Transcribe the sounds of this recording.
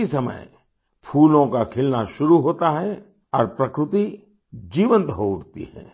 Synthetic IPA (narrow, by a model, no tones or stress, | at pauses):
isɐmə̰j | pʰuːlõkakʰɪlnaʃʊɾuɦoːt̪aɦɛ | ɔːɾpɾɐkɾɪt̪i | d͡ʒiːʋə̃nt̪ɦoʊɽt̪ḭɦɛ̰̃ː